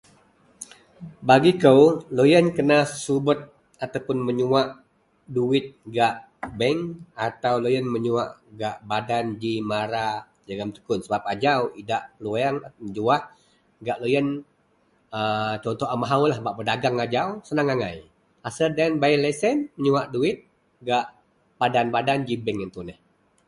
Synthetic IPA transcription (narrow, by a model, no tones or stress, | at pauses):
baɡikəwlojənkənasubət̪̚ | at̪awpʊnməɲuaʔ | duwɪt̪̚ɡaʔ | bɛŋat̪awlojənməɲua̰ʔɡaʔbadand͡ʒimaɾa | d͡ʒaɡamt̪ə̥kʊnsəbap̚ad͡ʒawidaʔluaŋaəd͡ʒuah | ɡaʔlojən | ət͡ʃɔnt̪ɔamaɦawlahbaʔbədaɡaŋad͡ʒawsənaŋaŋaj | asərdanbailɛsənməɲuaʔduɪt̪̚ | ɡaʔ | padanbadand͡ʒibɛŋint̪unɛh